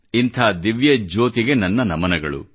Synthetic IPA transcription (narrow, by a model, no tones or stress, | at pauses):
int̪ʰɐːd̪iʋjɐd͡ʒoːt̪iɡe̞nɐnːɐnɐmɐnɐɡɐɭṵ